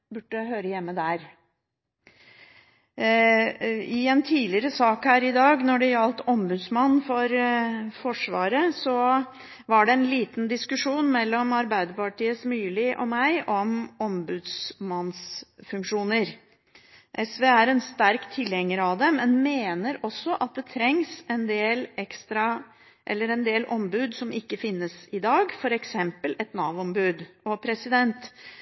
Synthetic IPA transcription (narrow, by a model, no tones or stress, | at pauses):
bʉʈːəhøːɾəjɛmːəd̪æɾ | ɪɛnt̪ʰiːlɪəɾəsɑːkhæːɾɪd̪ɑːɡnɔɖɛjɑlt̪ɔmbʉd̪smɑnːfɔɾfɔʂʋɑːɾəsɔ | ʋɑɖɛɛnliːt̪nd̪ɪskʉʂuːnmɛlːɔmɑɾbæɪd̪əpɑʈiːəsmyːlɪʔɔ̰mæɪʔɔmɔmbʉːd̪smɑnsfʉŋkʂuːnəɾ | ʔɛsʋeːæɾɛnst̪æɾkt̪ʰɪlhɛŋːəɾɑʋd̪ɛmɛnmeːnəɾɔsːɔʔɑt̪̚d̪ɛt̪ʰɾɛŋsɛnd̪eːlɛkst̪ɾɑ | ʔɛ̰lːəɾɛnd̪eːlʔɔmbʉːd̪sɔmɪkːəfɪnːəsɪd̪ɑːɡfɔɾɛksɛmpəlɛt̪nɑːʋɔmbʉːd̪ɔpʰɾɛsɪd̪ɛnt̪